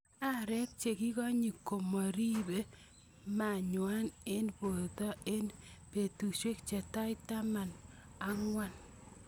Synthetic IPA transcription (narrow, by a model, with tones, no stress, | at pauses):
a˦ɾɛ˦k̚t͡ʃe˨ki˦kɔ˦ɲi˨kːo˨mɔ˨ɾi˦be˦ | ma˨ɲwa˦ne˦nbo˨tɔ˦e˦npe˨tu˨ʃwe˦k̚t͡ʃe˨ta˦jta˦ma˨na˦ŋwa˦n